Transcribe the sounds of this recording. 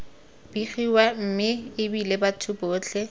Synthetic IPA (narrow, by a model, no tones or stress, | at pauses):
b̥iχiwam̩mɪɪbilebatʰʊbʊːt͡ɬʰɛ